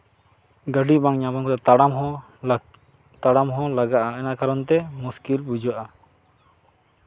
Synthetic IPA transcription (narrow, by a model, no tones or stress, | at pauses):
ɡəɖibaŋɲabaŋkɔt̪at̪ɽamɦɔ | t̪aɽamɦɔ̃laɡaʔaɛnaʔkaɾɔnt̪ɛmuskilbud͡ʒɔʔa